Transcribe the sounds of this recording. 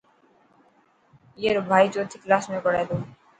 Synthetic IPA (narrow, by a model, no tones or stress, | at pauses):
jeɾbʱajt͡ɕot̪ʰːiklasmekɔɾed̪o